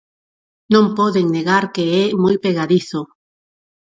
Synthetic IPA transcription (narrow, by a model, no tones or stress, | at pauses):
nõmpɔðeŋneɣaɾkeɛmojpeɣaðiθo